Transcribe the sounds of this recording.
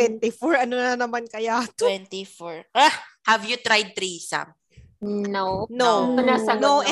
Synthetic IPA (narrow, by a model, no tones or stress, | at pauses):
wɛnt̪ɪfɔɹʔɐnonɐnɐmankɐjat̪wwɛnt̪ifɔɹhɐvjut̪ɾajd̪̚t̪ɾisa̰m | nonoɐnasɐnoʔ